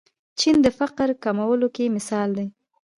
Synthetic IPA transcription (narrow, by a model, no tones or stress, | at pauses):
t͡ʃind̪əfaqɾkamawəlokemɪsɑld̪e